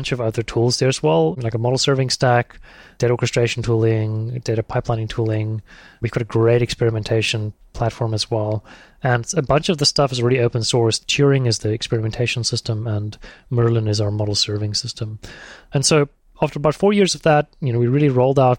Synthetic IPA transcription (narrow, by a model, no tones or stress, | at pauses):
nt͡ʃʌvʌðə˞tʰulˠzðə˞ɨzwɛlˠlaɪkəmɑɾl̩ˠsɜ˞vɪ̃ŋstækd̥eɪɾəɔɹkɨstɹ̥eɪʃn̩tʰulˠɪ̃ŋd̥eɪɾɨpʰaɪplãɪ̃nɪ̃ŋtʰulˠɪ̃ŋwivɡɑɾɨɡɹeɪɾɨkspɛɹɨmɨ̃ntʰeɪʃɨ̃npʰl̥ætfɔɹməzwɛlˠ | ɨ̃nɨbʌ̃nt͡ʃʌvðɨstʌfɨzl̩ˠɹɛɾioʊpə̃n̩sɔɹst͡ʃʰɪɹɪ̃ŋɨzðiɨkspɛɹɨmɨ̃ntʰeɪʃn̩sɪstə̃mə̃nmɜ˞lˠɪ̃nɨzaʊə˞mɑɾl̩ˠsɜ˞vɪ̃ŋsɪstʰə̃mɨ̃nsoʊ | æftə˞əbaʊtfɔɹjɪɹzʌvðət̚jɨnoʊwiɹɪlˠiɹoʊlˠdaʊt̚